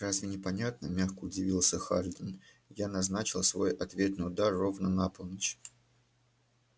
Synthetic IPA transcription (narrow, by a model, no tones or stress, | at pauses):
razvʲɪnʲɪpɐnʲat̪̚nəmʲaxkəʊdʲɪvʲilˠsʲəxalʲd̪ʲɪn | janɐznat͡ɕɪlˠsvo̞jɐt̪vʲe̞t̪nɨjʊd̪arːo̞vnənapəlˠnət͡ɕ